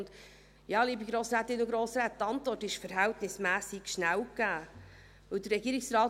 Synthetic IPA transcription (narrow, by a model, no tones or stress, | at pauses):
nd̪ | jɑːliːbiɡ̥ɾoːsɾæːt̪ɪnːʊɡɾoːsɾæːt̚ːɑnt̪vɔrtɪʃfəɾɦæltnɪsmæːsɪɡ̥ʃnæwkæː | vɵld̪əɾːɛɡiːɾɪksrɑːt